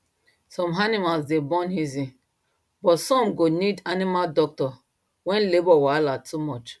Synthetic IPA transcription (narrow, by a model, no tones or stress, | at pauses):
sɔ̃mɦanimalzdebɔ̃nhizĩ | bɔtsɔ̃mɡonidanimaldɔk̚tɔ | wɛ̃nlebɔwalatʰumɔt͡ʃ